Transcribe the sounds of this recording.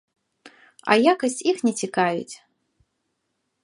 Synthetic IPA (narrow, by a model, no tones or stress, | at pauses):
ɐ̰jakɐsʲt͡sʲixnʲɛt͡sʲikavʲḭt͡sʲ